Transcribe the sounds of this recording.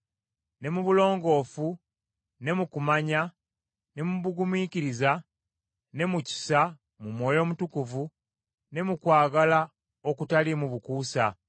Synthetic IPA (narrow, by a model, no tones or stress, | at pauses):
ne̞muβulo̞ːŋɡo̞ːfu | ne̞mukumaɲa | ne̞muβuɡumiːciɾiza | ne̞muci̥sa | mumwo̞ːjo̞ːmutukuvu | ne̞mukwaːɡala | o̞kutalimuβukuːsa